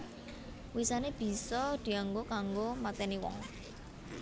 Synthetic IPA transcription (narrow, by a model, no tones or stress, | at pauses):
wisaneb̥i̤sɔd̪̥i̤aŋɡokaŋɡomat̪ɛniwɔ̰ŋ